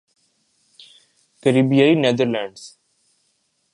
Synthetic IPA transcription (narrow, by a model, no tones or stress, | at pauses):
kəɾiːbijaineːd̪əɾlæ̃ɳɖs